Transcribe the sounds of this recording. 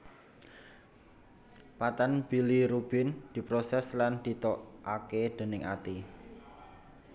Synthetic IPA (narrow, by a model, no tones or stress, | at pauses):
pat̪anb̥i̤liɾub̥ɪ̤nd̪̥i̤pɾosɛsland̪̥i̤t̪oʔaked̪̥e̤nɪŋʔa̰t̪i